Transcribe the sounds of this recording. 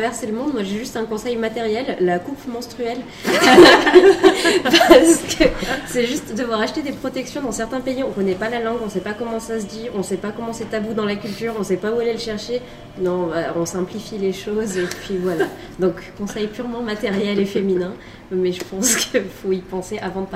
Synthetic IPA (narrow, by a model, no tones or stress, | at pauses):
t̪avɛʁseləmɔ̃d̪mwaʒeʒyst̪ɛ̃kɔ̃sɛjmat̪ɛʁjɛlːakupmɑ̃st̪χyɛl | apipaʁsə̥kəsɛʒyst̪d̪avwaʁaʃt̪ed̪epχɔt̪ɛksjɔ̃d̪ɑ̃sɛʁt̪ɛ̃peiɔ̃kɔnɛpalalɑ̃ɡɔ̃sɛpakɔmɑ̃sas̬əd̪iɔ̃sɛpakɔmɑ̃sɛt̪abud̪ɑ̃lakʲylt̪yːʁɔ̃sɛpaualeləʃɛʁʃe | nɔ̃baɔ̃sɛ̃plifileʃozepɥivwala | d̪ɔ̃kːɔ̃sɛjpyʁmɑ̃mat̪ɛʁjɛlefeminɛ̃ | mɛʒəpɑ̃skəifoipɑ̃seʔavɑ̃d̪əp